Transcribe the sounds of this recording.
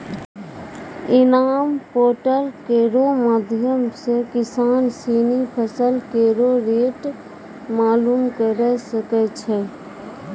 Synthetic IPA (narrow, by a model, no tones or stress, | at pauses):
ɪnaːmpoːʈəɾkeːɾomaːd̪ʱjəmsekɪsaːnsiːnipʰəsəlkeːɾoɾeːʈ | maːlumkəɾɛsəkɛt͡ʃʰɛ